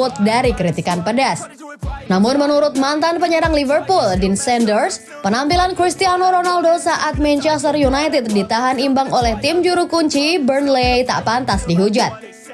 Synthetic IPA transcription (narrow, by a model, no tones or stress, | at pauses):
ʊt̪̚daɾikəɾit̪ikanpədas | namʊnmənuɾʊt̪̚mant̪anpəɲəɾaŋlivərpuldinsɛndərs | pənampilankɾist̪ianoɾonaldosaʔat̪̚mɛnt͡ʃɛst̪ərjunajt̪ɛt̪̚dit̪aɦanimbaŋolɛht̪ɪmd͡ʒuɾukuɲt͡ʃibərnlejt̪a̰ʔpant̪asdiɦud͡ʒat̪̚